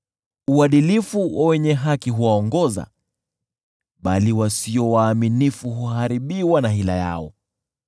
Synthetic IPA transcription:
uaɗilifuwʔawɛɲɛɦakiɦuwaɔŋɡɔza̰ | ɓaliwasiɔwaːminifuɦuhaɾiɓiwanaɦila̰ja̰ɔ

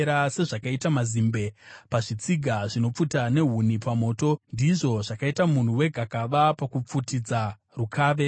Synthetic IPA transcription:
ɾase̞ʐakaitamazimbe̞paʐit͡siɡʱaʐino̞p͡futane̞ɦunipamo̞ːto̞ndiʐo̞ʐakaitamun̤uwe̞ɡʱakaʋapakup͡futid͡za | rukʰaːʋe̞

